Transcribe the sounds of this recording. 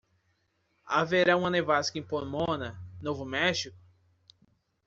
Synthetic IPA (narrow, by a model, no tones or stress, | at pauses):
a̰veɾaũɐ̃nevaskĩpoɾmõnɐnovʊmɛʃikʊ̥